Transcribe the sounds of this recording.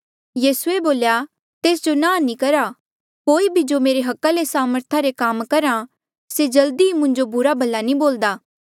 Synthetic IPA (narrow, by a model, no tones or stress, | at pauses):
jiːsueboːlja | t̪eːs̬d͡ʒonãːnĩkɐɾa | koːibʱid͡ʒomeːɾeɦɐkːalesaːməɾt̪ʰaɾekaːmkɐɾã | sed͡ʒɐld̪iimʊ̃ɲd͡ʒobʊɾabʱɐlːanĩboːld̪aː